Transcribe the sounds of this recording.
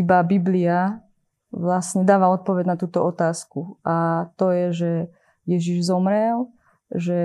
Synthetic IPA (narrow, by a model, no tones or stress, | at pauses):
ibabiblia | ʋlasɲɛd̪aːʋaɔt̪̚pɔʋɛɟnat̪uːt̪ɔɔt̪aːskuat̪ɔjɛʒɛ | jɛʒiʒzɔmɾɛl | ʒɛ